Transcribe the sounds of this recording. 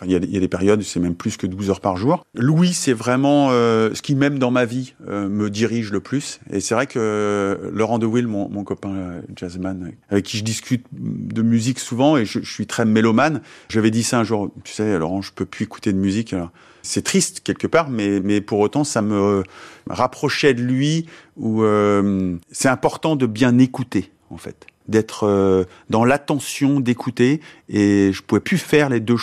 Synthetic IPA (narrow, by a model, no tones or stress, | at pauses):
fɛ̃iljad̪ijad̪epɛʁjɔd̪sɛmɛmplyskəd̪uzœʁpaʁʒuːʁlwisɛvʁɛmɑ̃øsə̥kʲimɛmd̪ɑ̃maviøməd̪iʁiʒləplysḛsɛvʁɛkʰə | lɔʁɑ̃d̪əwilmɔ̰̃mɔ̃kɔpɛ̃ʒazmanavɛkʲːiʒəd̪iskʲyt̪d̪əmyziksuvɑ̃eʒəʒəsɥit̪χɛmelɔmanʒavɛd̪isaɛ̃ʒuʁt̪y̥sɛalɔ̰ʁɑ̃ʒəpøpʰyieku̥t̪ed̪əmyzikalɔʁ | sɛt̪χist̪kʲɛlkəpaʁmɛmɛpuʁot̪ɑ̃samə̰ | ʁapχɔʃɛd̪əlɥiuømsɛt̪ɛ̃pɔʁt̪ɑ̃d̪əbjɛ̃nekut̪e | ɑ̰̃fɛ̰t̪d̪ɛt̪χø | d̪ɑ̃lat̪ɑ̃sjɔ̃d̪ekʰut̪eeʒəpuvɛpyfɛʁled̪ø